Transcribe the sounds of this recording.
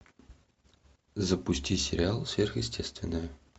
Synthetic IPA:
zəpʊsʲtʲisʲɪɾʲɪalˠsʲvʲerxjɪsʲtʲest̪vʲɪ̰nːəjə

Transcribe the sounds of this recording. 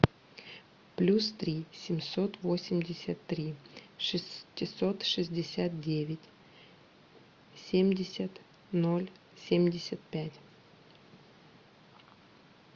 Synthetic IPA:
plʲust̪ɾʲisʲɪmʲso̞t̪vo̞sʲɪmʲdʲɪsʲət̪ːɾʲiʂɨstʲːɪso̞t̪ʂɨzʲdʲɪsʲat̪̚dʲevʲɪtʲ | sʲemʲdʲɪsʲət̪ | no̞lʲ | sʲemʲdʲɪsʲət̪̚pʲætʲ

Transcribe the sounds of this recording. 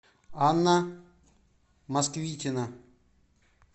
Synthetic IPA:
anːa | mɐskvʲitʲɪna

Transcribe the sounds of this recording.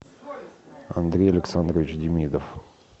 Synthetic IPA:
ɐ̰nd̪ɾʲejɐlʲɪksand̪ɾəvʲɪt͡ɕdʲɪmʲid̪əf

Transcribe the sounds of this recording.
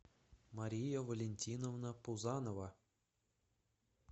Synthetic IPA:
maɾʲijavolʲenʲtʲinovnəpuzɑnova

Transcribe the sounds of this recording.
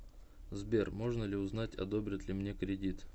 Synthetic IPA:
zbʲe̞rmo̞ʐnəlʲɪʊznatʲɐ̰d̪o̞bɾʲət̪lʲɪmnʲe̞kɾʲɪdʲit̪

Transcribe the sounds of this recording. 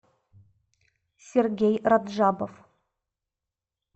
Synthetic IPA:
sʲerɡʲejrad̪ʒɑbof

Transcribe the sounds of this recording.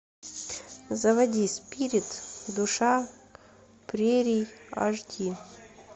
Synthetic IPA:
zɐvɐdʲisʲpʲiɾʲɪt̪d̪ʊʂa | pɾʲeɾʲijɐ̰ʐdʲi

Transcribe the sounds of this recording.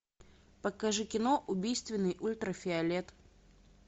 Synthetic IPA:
pəkɐʐɨkʲɪnoʔʊbʲijst̪vʲɪnːɨjʔulʲt̪ɾəfʲɪɐlʲet̪

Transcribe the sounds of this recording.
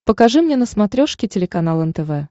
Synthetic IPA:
pəkɐʐɨmnʲenəsmɐt̪ɾʲoʂkʲɪtʲɪlʲɪkɐnalˠɛnt̪ɛvɛ

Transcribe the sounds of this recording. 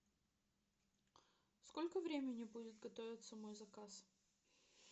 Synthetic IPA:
skolʲkəvɾʲemʲɪnʲɪbudʲɪt̪̚ɡɐt̪ovʲɪt̪səmojzɐkas

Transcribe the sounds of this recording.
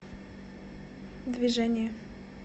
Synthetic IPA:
d̪vʲiʐɛnʲɪjə

